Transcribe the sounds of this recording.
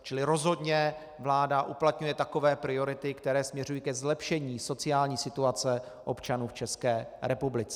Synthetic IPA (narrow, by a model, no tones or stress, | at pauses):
t͡ʃɪlɪɾo̞zɦo̞dɲɛ | vlaːdaʔuplat̪ɲujɛt̪ako̞vɛːpɾɪo̞ɾɪt̪ɪkt̪ɛɾɛːsmɲɛrujiːkɛzlɛpʃɛɲiːso̞t͡sɪaːlɲiːsɪt̪uat͡sɛ | ʔo̞pt͡ʃanuːft͡ʃɛskɛːɾɛpublɪt͡sɛ